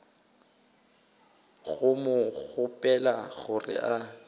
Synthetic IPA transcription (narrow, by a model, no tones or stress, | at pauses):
ɣʊmʊɣʊpʼɛlaɣʊrɪ̰ʔa